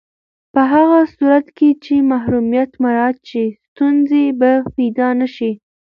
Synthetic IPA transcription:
pəɦaɣasuɾat̪ket͡ʃemaɦɾumjat̪maɾɑt̪̚t͡ʃest̪unzebapijd̪ɑnaʃi

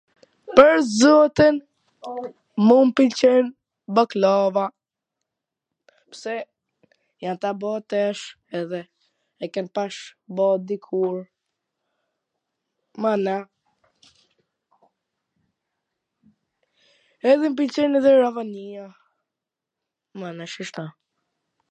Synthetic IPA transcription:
pəɾzɔt̪in | mumpilt͡ʃɛn | bɔklɔva | psɛ | jant̪abɔt̪ɛʃ | ɛðɛ | ɛkɛnpaʃbɔd̪ikʰuɾ | mana | ɛðɛmp̬ilt͡ʃɛnɛðɛɾavania | manaʃiʃt̪a

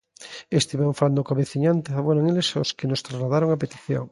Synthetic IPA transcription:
est̪iβaɱfaland̪okaβeθiɲant̪eaβoɾaŋelesoskenost̪ɾazlaðaɾoŋapet̪i̥θjo̰ŋ

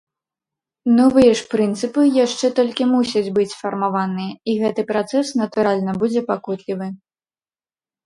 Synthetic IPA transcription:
nɔvɨjɛʂpɾɨnt̪sɨpɨjaʂt͡ʂɛt̪ɔlʲkʲimusʲɐd͡zʲbɨt͡sʲfɐrmavanɨjɛiɣɛt̪ɨpɾat̪sɛsnɐt̪uɾalʲnɐbud͡zʲɛpakut̪lʲivɨ

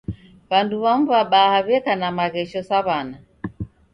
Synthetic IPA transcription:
βanduβam̩vaɓahaβɛkanamaɣɛʃɔsaβana

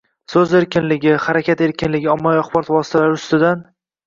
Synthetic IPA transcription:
sɵzeɾkʲɪnlɪɡʲɪhaɾakʲʰat̪e̞ɾkʲɪnlɪɡʲɪɒmːaviaχbɒɾɒt̪vɒsɪ̥t̪ʰalaɾɪʊst̪ɪd̪an

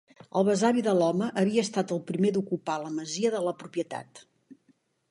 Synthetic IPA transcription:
ə̰lˠβəzaβiðəlɔməʔːβiəːst̪at̪əlˠpɾimed̪ukupaləməziəðələpɾupjət̪a̰t̪

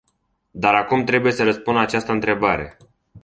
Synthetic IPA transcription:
d̪aɾakumt̪ɾe̞buje̞səɾəspund̪at͡ʃast̪əɨnt̪ɾe̞baɾe̞̰

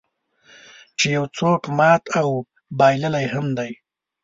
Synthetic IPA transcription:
t͡ʃejawt͡sokmɑːt̪ʰaw | bɑjləlajhamd̪aj

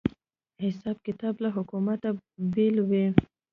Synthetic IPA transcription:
hɪsɑb̚kɪt̪ɑblaɦʊkumat̪abelwi

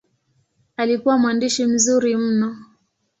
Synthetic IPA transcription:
alikuwamwandiʃim̩zuɾim̩nɔ

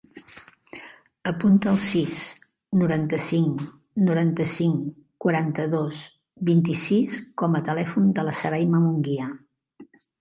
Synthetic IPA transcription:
əpunt̪əːlˠsis | nuɾant̪əsiŋ | nuɾant̪əsiŋ | kwəɾant̪əðoz | βint̪isiskɔmət̪əlɛfund̪ələsəɾajməmuŋɡia

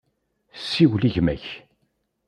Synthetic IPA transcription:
sːiwliʝmæç

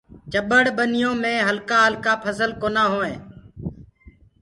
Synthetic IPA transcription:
t͡ʃəɓəɽɓənɪjõːmẽːɦəlkaːɦəlkaːpʰəzəlkoːnaːɦoːẽː

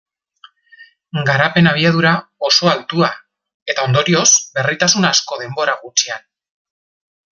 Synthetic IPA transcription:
ɡaɾape̞naβ̞iaðuɾao̞so̞alt̪ua | e̞t̪ao̞nd̪o̞ɾio̞zbe̞rit̪asunasko̞ðe̞mbo̞ɾaɣut͡ʃian

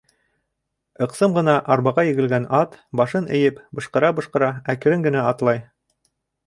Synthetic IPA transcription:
ɤ̆qsɤmʁɤ̆nɑʔɑɾbɑʁɑjɘ̆ɡɘ̆lɡænɑt̪bɑʃɤnɘ̆jɘpbɤ̆ʃqɤ̆ɾɑbɤ̆ʃqɤ̆ɾɑækɘ̆ɾɘŋɡɘ̆næɑt̪lˠɑj

